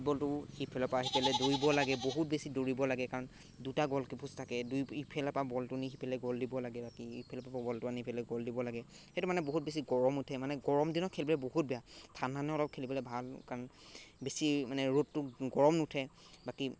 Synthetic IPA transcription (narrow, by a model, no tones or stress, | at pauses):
bɔltʊhipʰɛlɔpaɦipʰɛlɛdoɹibɔlaɡɛboɦut̚besidoɹibɔlaɡɛkaɹɔn | dutaɡɔlkipʰustʰakɛdujipʰɛlapabɔltʊniɦipʰɛlɛɡɔldibɔlaɡɛbakiipʰɛlɔpapabɔltʊaniipʰɛlɛɡɔldibɔlaɡɛxejtʊmanɛboɦut̚bes̬iɡɔɹɔmutʰɛmanɛɡɔɹɔmdinɔkʰelbɔlɛboɦut̚bɛjatʰananɛɔlɔp̚kʰelipɔlɛbʱalkaɹɔnbesimanɛɹotːʊɡɔɹɔmnutʰɛ | baki